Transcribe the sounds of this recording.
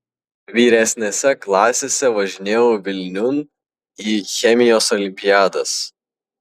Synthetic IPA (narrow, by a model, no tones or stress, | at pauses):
ʋʲiːɾʲɛsʲnʲeːsʲɛklˠɑːsʲeːsʲɛʋɐʒʲɪnʲeːjoːʋʲɪlʲnʲʊn | iːxʲɛmʲɪjoːsɔlʲɪmʲpʲɪjæːd̪ɐs